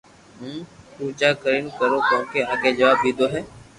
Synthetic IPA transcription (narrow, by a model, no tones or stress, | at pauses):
ɦũːpuːd͡ʒaːkəɾinkəɾoːkõːkeːaːɡeːd͡ʒəʋaːb̚d̪iːd̪oːɦɛː